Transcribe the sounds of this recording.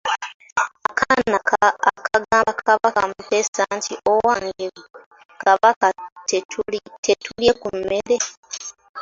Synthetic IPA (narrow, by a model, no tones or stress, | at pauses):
akʰanakʰaakʰaɡakʰaβakamuteːsantʰiʔowaːŋɡe | kaβakat | tʰetuljekumːeɾe̞